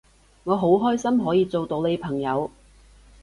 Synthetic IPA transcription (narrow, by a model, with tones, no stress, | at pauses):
ŋɔː˨˧ɦo˨˥wɦɔː˥jsɐ˥mɦɔː˨˥jiː˨˧t͡so˨wt̪o˧wne˨˧jpʰɐ˨˩ŋjɐ˨˧w